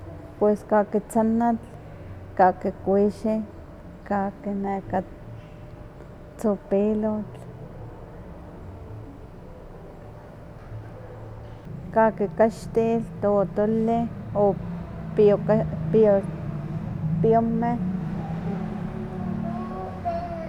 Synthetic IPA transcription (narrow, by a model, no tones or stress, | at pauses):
pweskakit͡sanat͡ɬ | kakikʷiʃi | kakineka | t͡sopilot͡ɬ | kakikaʃt̪ilt̪ot̪olɪopopo | piome